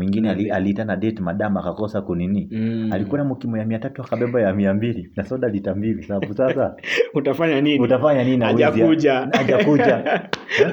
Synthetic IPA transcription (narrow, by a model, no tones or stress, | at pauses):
wiŋɡinɛalialiitanaɗɛtmaɗamakakɔsakuninialikuanamukimɔjamiatatuakaɓɛɓajamiambilinasɔɗalitambilisabaɓusasautafaɲaninuitafaɲanininawiaziauʄaaʄakud͡ʒa